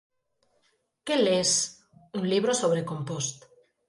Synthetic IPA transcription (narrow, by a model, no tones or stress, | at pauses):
keles | unliβ̞ɾosoβ̞ɾekompost̪